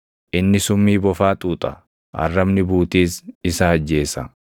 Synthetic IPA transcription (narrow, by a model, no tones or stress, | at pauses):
ʔɪnːɪsʊmːiːbɔfaːt̪ʼuːt̪ʼɐ | hɐ̰rːɐbnɪbuːt̪iːsɪsɐɐd͡ʒːe̞ːsɐ